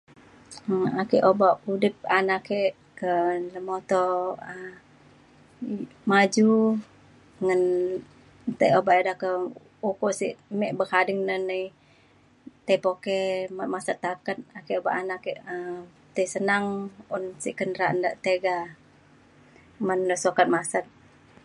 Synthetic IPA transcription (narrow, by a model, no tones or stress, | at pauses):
əakiʔobaʔudɪp̚anakeʔ | kələmot̪ɔə | mad͡ʒu | ŋən | t̪ajobaʔedakə | ukɔʔsḭʔmɛʔbəhadɪŋnənəj | t̪epokemamasət̪ːakət̪̚akɛoba̰ʔanakɛʔə | t̪əjsənaŋunsḭʔkəndəɾaʔnda̰ʔt̪eɡa | məndəsokat̪̚masət̪̚